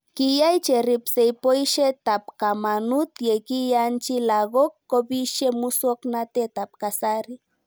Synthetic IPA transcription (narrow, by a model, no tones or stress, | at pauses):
kɪjajt͡ʃeɾɪpsejpojʃet̪apkamanut̪jekijant͡ʃilaɣokːobiʃemusoknat̪et̪ap̚kasaɾi